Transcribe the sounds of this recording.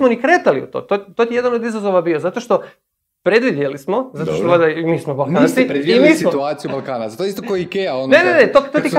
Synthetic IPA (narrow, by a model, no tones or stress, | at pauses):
monikɾeːt̪aliṵt̪o̰ːt̪ot̪ot̪ije̞d̪anod̪izazoʋabiozat̪o̞ʃt̪o̞ | pɾe̞d̪ʋid̪jelismo̞zat̪oʃt̪osad̪aimiːsmobalˠkansiɾeimiːsmot̪uaːt̪sijubalkaːnazat̪oist̪okoikejaonnenenet̪ot̪ot̪ik